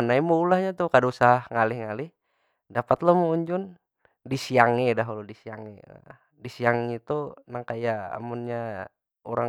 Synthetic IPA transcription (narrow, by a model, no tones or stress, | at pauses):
anaimuulahɲat̪uhkadausaahŋalihŋalɪh | dapat̪lamuuɲd͡ʒun | disiaŋedaɦuludisiaŋḛ | disiaŋit̪unaŋkajaa̰munɲa | uɾa